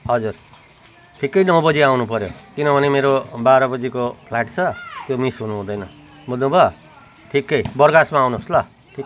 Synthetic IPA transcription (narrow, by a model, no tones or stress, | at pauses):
ɦʌd͡zur | ʈʰikːʌjnʌ̃w̃bʌd͡ziawnupʌɾjokinʌbʱʌnemeɾobaɾʌbʌd͡zikopʰlajʈt͡sʰʌt̪jomisɦunuɦũd̪ʌjnʌ | mʌlnũbʱʌ | ʈʰikːʌjbʌrɡasmaːwnoslʌ | ʈʰik